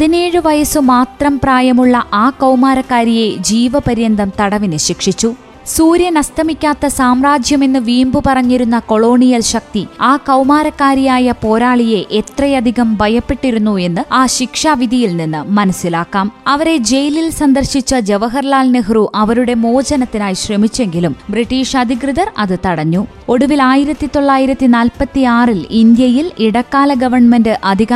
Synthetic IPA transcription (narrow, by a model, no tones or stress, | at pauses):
ɐðineːɻɨʋɐjɐsɨmaːt̪rɐmpraːjɐmuɭːɐʔaːkɐwmaːɾɐkːaːɾije̞d͡ʑiːʋɐpɐɾjɐnd̪ʱɐmt̪ɐɽɐʋinɨɕikʂit͡ɕːu | suːɾjɐnɐst̪ʰɐmikʲːaːt̪ːɐsaːmraːd͡ʑʱjɐme̞nːɨʋiːmbɨpɐrɐɲːiɾunːɐko̞ɭo̞ːɳijɐlɕɐk̚t̪iaːkɐwmaːɾɐkːaːɾijaːjɐpo̞ːɾaːɭije̞ʔet̪rɐjɐd̪ʱiɣɐmbʱɐjɐpːe̞ʈːiɾunːue̞nːɨaːɕikʂaːʋid̪ʱijilninːɨmɐnɐsːilaːkːaːmɐʋɐɾe̞d͡ʑe̞jililsɐnd̪ɐrɕit͡ɕːɐd͡ʑeʋɐɦɐrlaːlnɨɦruʔɐʋɐɾuɽe̞mo̞ːd͡ʑɐnɐt̪ːinaːjiɕrɐmit͡ɕːe̞ŋɡilumbriʈːiːʂɐd̪ʱikrɨðɐrɐðɨt̪ɐɽɐɲːu | o̞ɽuʋilaːjiɾɐt̪ːit̪o̞ɭːaːjiɾɐt̪ːinaːlpɐt̪ːiaːrilind̪jɐjiliɽɐkːaːlɐɡɐʋɐrɳmendɨʔɐd̪ʱiɣa